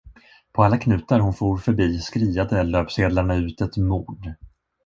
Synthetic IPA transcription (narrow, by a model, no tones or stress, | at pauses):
pʰɔalːakʰnʉ̟ːt̪aɾɦʊnfuːɾfœɾbiːskɾiːad̪əløːpseːd̪laɳaʉ̟ːt̪ɛt̪muːɖ